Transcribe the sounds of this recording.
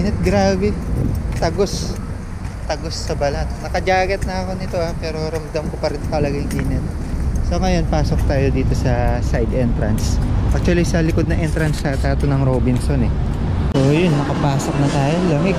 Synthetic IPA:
inɛt̪̚ɡɾaːbɛt̪ɐɡo̞s | t̪ɐɡo̞sːɐbɐlɐt̪nɐkɐd͡ʒaːɡɐt̪̚nɐɐko̞nɪt̪o̞apɛːɾo̞ɾɐmd̪ɐmkopɐɾɪnt̪ɐlɐɡɐjʊŋʔiːnɛt̪̚ | so̞ːŋɐjo̞npaːso̞k̚t̪aːjo̞d̪iːt̪o̞sɐsajd̪ʔɛnt̪ɾɐnsʔak̚t̪wɐlisɐlɪko̞d̪nɐŋʔɛnt̪ɾɐnsɐt̪aːt̪onɐŋɾoːbɪnso̞nɛ | ʔojonːɐkɐpaːso̞k̚nɐt̪aːjolɐmɐ

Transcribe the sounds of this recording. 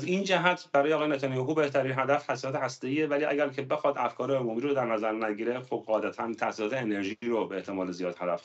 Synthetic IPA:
zind͡ʒæɦæt̪ʰbæɾɒːjeːɣːjenæt̪ʰænijɑkuːbe̞ht̪ʰæɾiːnɦæd̪æft̪ʰæsisɒːt̪ʰehæst̪e̞iːevæliːæ̰ɟæɾcʰebe̞xɒːd̪æfkʰɒːɾeomuːmiːɾod̪æɾnæzæɾnæɟiːɾexob̚ɢɒːd̪æt̪ʰænt̪ʰæsisɒːt̪ʰeːne̞ɾʒiɾobeeht̪ʰe̞mɒːlezijɒːd̪hæd̪æf

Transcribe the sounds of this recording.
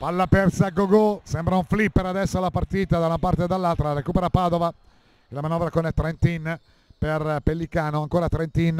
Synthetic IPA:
palːapɛrsaɡoɡosɛmbɾauɱflipːeɾad̪ɛsːoalapart̪iːt̪ad̪aunapart̪ed̪alːalt̪ɾarekuːpeɾapaːd̪ova | elamanɔvɾakonɛt̪ɾɛnt̪in | perpelːikaːnoaŋkoːɾat̪ɾent̪in

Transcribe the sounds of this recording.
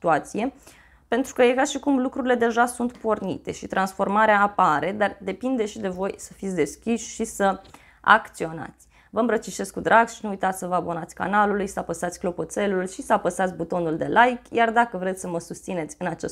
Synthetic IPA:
t̪uat̪sije̞ | pe̞nt̪ɾukəjekaʃikumlukɾuɾile̞d̪e̞ʒasunt̪po̞rnḭt̪e̞ʃit̪ɾansfo̞rmaɾeaːpaɾe̞d̪ard̪e̞pind̪e̞ʃid̪e̞vo̞jsəfit̪sʲd̪e̞skʲiʃʃisə | a̰kt̪sio̞na̰t̪sʲ | vəɨmbɾət͡ʃiʃe̞skud̪ɾaɡʃinuujt̪at̪sʲsəvəabo̞nat̪sʲka̰nalulujsəapəsat̪sʲklo̞po̞t̪se̞lulʃisəapəsat̪sʲbut̪o̞nuld̪e̞̰lʔajkjard̪akəvɾet̪sʲsəməsust̪sine̞t̪sʲɨnat͡ʃe

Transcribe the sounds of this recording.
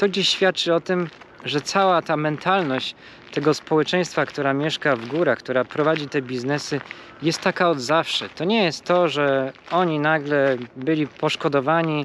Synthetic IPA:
t̪ɔɡd͡ʑeɕɕfʲjat̪̚t͡ʂɘɔt̪ɘm | ʐɛt̪sawat̪amɛnt̪alnɔɕt͡ɕ | t̪ɛɡɔspɔwɛt͡ʂɛj̃st̪fakt̪uɾamʲjɛʂkavɡuɾakt̪uɾapɾɔvad͡ʑit̪ɛbʲiznɛsɘ | jɛst̪ːakaɔd̪zafʂɛt̪ɔɲɛjɛst̪ːɔʐɛɔɲinaɡlɛbɘlʲipɔʂkɔd̪ɔvaɲi

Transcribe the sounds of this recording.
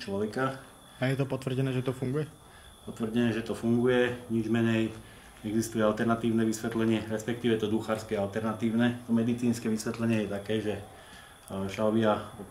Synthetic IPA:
t͡ʃlɔʋɛka | ajɛt̪ɔpɔt̪ʋr̩ɟɛnɛːʒɛt̪ɔfuŋɡujɛ | pɔt̪ʋr̩ɟɛnɛːʒɛt̪ɔfuŋɡujɛɲid͡ʒmɛɲɛj | ɲɛɡzist̪ujɛalt̪ɛɾnat̪iːʊnɛʋisʋɛt̪lɛɲɪɛɾɛspɛk̚t̪iːʋɛt̪ɔd̪uxaːɾskɛalt̪ɛɾnat̪iːʊnɛt̪ɔmɛd̪it͡siːnskɛʋisʋɛt̪lɛɲɪɛjɛt̪akɛːʒɛ | ʃaʋɪaɔ

